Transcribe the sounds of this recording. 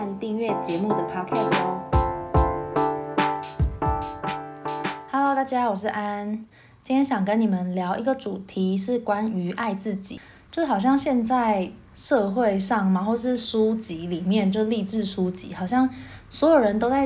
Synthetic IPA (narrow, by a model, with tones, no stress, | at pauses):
nt̪i˥˧ŋɥɛ˥˩t͡ɕjɛ˧˦mu˥˩d̪ə˩pʰa˥kʰɛ˥˩s | ha˧˥lo˧˦t̪a˥˩t͡ɕja˦˥wɔ˨˩ʂ̬ɻ̩˥˩˨ʔa˦n | t͡ɕi˥nt̪ʰjɛ˥nɕjɑ˨˩ŋkə˧˦ni˨˩mə˦nljɑ˧˥ʊʔi˧˥ɡə˨ʈ͡ʂu˨˩t̪ʰi˨˦ʂɻ̩˥˩kwa˦˥ny˧˥ʔa˥˧ɪt͡sɹ̩˥˩t͡ɕḭ˨˩ | t͡ɕt͡ɕjʂ̩˥˩xɑ˨˩ʊɕ̬jɑ˥˧ŋɕjɛ˥˧nt͡sa˥˧ɪ | ʂɤ˥˧xwe˥˧ɪʂɑ˥˨˩ŋma˨˩xwɔ˥˩ə˨˩ʂɻ̩˥˩ʂu˦˥t͡ɕi˨˦li˨˩mjɛ˥˧nt͡ɕjo˥˧ʂ̩˥˧li˥˧ʈ͡ʂɻ̩˥˩ʂu˦t͡ɕḭ˧˦xɑ˨˩ʊɕ̬jɑ˥˩ŋ | swɔ˧˥jo˨˩ɻə˧˦nt̪o˥ʊt͡sa˥˧ɪ